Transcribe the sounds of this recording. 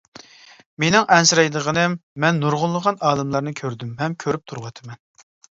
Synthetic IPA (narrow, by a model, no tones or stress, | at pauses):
menɪŋʔɛnsɨɾɛjd̪əʁənɨmːɛnːuɾʁʊlˠːəʁɑnɑːlˠɨmlˠɑɾnɨkʲʰøɾd̪ymɦɛmkʲʰøɾyp̚t̪ʰuɾwɑt̪ʰɨmɛn